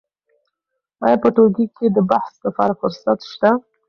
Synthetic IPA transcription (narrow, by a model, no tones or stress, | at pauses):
ɑjɑpəʈoɡikʰed̪əbahslapɑ̰ɾafʊɾsat̪ʃt̪a